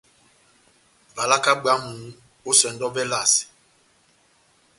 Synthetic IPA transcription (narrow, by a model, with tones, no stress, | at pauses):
va˨la˦ka˦ɡ͡ba˨˦mũ˨ŋ | o˦sɛ˨n˦dɔ˦vɛ˦la˦˨s